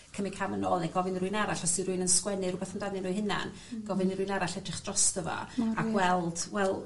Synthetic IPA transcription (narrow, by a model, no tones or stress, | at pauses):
kʰəmɪkʰamənɔːlˠnɛɡɔvɪniɾujnaɾaɬɔsiɾuɨjnənskwɛnɨrʊbɛθəndanɨnuːjɦɪna̰n | ɡ̥ɔvɨniɾʊjnaɾaɬɛdrɪχd̥rɔstəvɔ̰aɡwɛlˠd̥wɛlˠ